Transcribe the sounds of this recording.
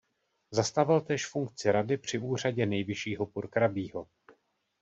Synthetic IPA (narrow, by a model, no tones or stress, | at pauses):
zast̪avɪlt̪ɛːʃfuŋkt͡sɪɾadɪpr̝̥ɪʔuːr̝aɟɛnɛjvɪʃiːɦo̞puɾkɾabiːɦo̞